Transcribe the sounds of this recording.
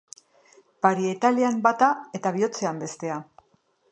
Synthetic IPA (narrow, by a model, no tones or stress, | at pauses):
paɾiet̪aliambat̪ae̞t̪aβ̞io̞t͡se̞ambe̞st̪e̞a